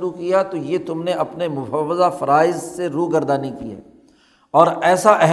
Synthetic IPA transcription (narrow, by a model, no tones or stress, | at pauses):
ɾukijat̪ojet̪ʊmneʔɐpnemʊfəʋːəzafɐɾaːɪzseɾuːɡɐɾd̪aːnikiɛ̰ː | ɔːɾɛːsaʔɛɦ